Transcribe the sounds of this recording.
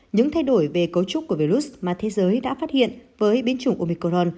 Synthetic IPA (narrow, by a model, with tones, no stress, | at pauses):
ɲɨ̰˧˥ŋt̪ʰa˧jɗo˧˩jve˨˩kə˨˦wt͡ɕʊ˦˥k͡p̚kːu˧˩əvi˧ɾu˦˥smaː˨˩t̪ʰe˨˦zəː˨˦jɗa̰ː˧˥faː˦˥t̚hḭ˧˨ənvəː˨˦jɓi˨˦ənt͡ɕʊ˧˩ŋʔo˧mi˧ko˧zo˧n